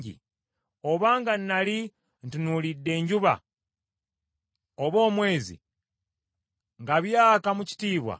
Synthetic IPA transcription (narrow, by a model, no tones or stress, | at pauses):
ɟḭ | o̞βaːŋɡannali | ntunulidːe̞ːɲɟuβa̰ | oβo̞ːmwe̞ːzḭ | ŋɡaβjaːkamuci̥tiːβwa̰